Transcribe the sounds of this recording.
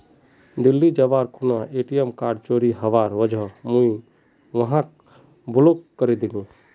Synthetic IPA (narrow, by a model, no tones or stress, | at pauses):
d̪ilːid͡ʒəbaɾkʰunaeʈijəmkaɾɖt͡ʃoɾiɦəʋaɾʋəd͡ʒʱɔmũi | ʋəɦãk | bulokkəɾɛd̪ilũ